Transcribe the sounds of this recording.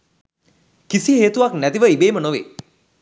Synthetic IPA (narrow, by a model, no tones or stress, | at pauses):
kisiɦeːt̪uʋaknæt̪iʋəibeːmənoʋḛː